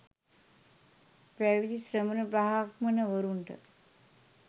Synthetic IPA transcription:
pɾæʋid̪isɾəmənəpɾaɦakmənəʋəɾuɳʈə̰

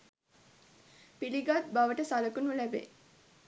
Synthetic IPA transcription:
piliɡat̪̚baʋəʈəsaləkunulæbḛ

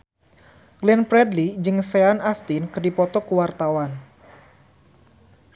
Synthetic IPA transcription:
ɡlɛnpɾɛdlid͡ʒɨŋseanast̪inkərdipɔt̪ɔkəwart̪awan

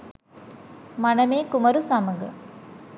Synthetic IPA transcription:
mɐnɐmeːkumɐɾusɐmɐɡɐ

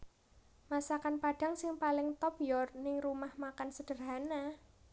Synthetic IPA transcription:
masakanpaɖ̥a̤ŋsɪŋpalɪŋt̪ɔpjɔrnɪŋrumahmakansəd̥ə̤rɦana

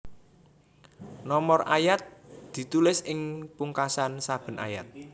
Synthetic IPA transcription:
nɔmɔrʔajat̪̚d̪̥i̤t̪ulɪsɪŋpuŋkasansab̥ə̤na̰ja̰t̪̚

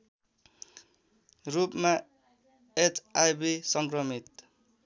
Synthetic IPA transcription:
ɾupma | et͡sʰajbisʌŋkɾʌmit̪

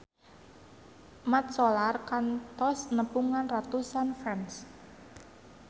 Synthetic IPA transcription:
mat̪̚solarkant̪ɔsnəpuŋanrat̪usanfɾans

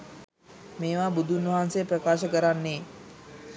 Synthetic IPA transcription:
meːʋaːbud̪ʱunʋɐɦansepɾəkaːʃəkəɾanːeː

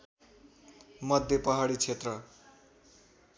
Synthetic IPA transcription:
mʌd̪ʱjepʌɦaɽit͡sʰet̪rʌ

